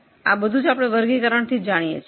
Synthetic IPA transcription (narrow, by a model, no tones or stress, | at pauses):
a̰bəd̪ʱũd͡ʒapɽ̃eʋəɾɡikəɾəɳt̪ʰid͡ʒaɽ̃ijḛt͡ʃʰ